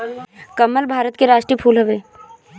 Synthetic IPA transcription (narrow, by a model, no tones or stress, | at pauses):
kəmːəlbʱaːɾət̪keɾaːʃʈɾipʰuːlɦɐʋeː